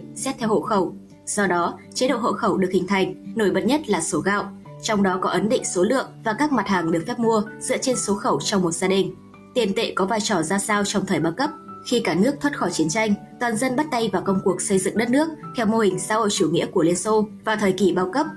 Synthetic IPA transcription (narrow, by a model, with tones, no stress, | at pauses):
sɛ˦˥p̚t̪ʰɛ˧who̰˧˨xə˧˩w | z̥ɔ˧ɗɔ˨˦t͡ɕe˨˦ɗo̰˧˨ho̰˧˨xə˧˩wɗɨ˨˩ək̚hï˨˩ŋ̟t̪ʰa˨˩jŋ̟no˧˩jɓə̰˨˩t̚ɲə˦˥t̚laː˨˩so˨˦ɣa̰ː˧˨wʔ | t͡ɕɔ˧wŋ͡mɗɔ˨˦kɔ˨˦ʔə˨˦nɗḭ̈˧˨ŋ̟so˨˦lɨ̰˧˨əŋvaː˨˩kaː˦˥k̚ma˨˩t̚haː˨˩ŋɗɨ˨˩ək̚fɛ˦˥p̚mu˧əzɨ̰˧˥ət͡ɕe˧nso˨˦xə˧˩wt͡ɕɔ˧wŋ͡mmo˨˩t̚z̥aː˧ɗï˨˩ŋ̟ | t̪i˨˩ənt̪ḛ˧˨kɔ˨˦vaː˧jt͡ɕɔ˧˩zaː˧saː˧wt͡ɕɔ˧wŋ͡mt̪ʰəː˨˩jɓaː˧wkə˦˥p̚xi˧kaː˧˩nɨ˦˥ək̚t̪ʰwə˦˥t̚xɔ˧˩t͡ɕi˨˦ənt͡ɕa˧jŋ̟ | t̪waː˨˩nzə˧nɓa˦˥t̚t̪ə˧jvaː˨˩kə˧wŋ͡mku˨˩ək̚sə˧jzɨ̰˧˨ŋɗə˦˥t̚nɨ˦˥ək̚t̪ʰɛ˧wmo˧hï˨˩ŋ̟saː˧˥ho̰˧˨jt͡ɕu˧˩ŋḭ˧˥əku˧˩əli˧ənso˧vaː˨˩t̪ʰəː˨˩jki˧˩ɓaː˧wkə˦˥p̚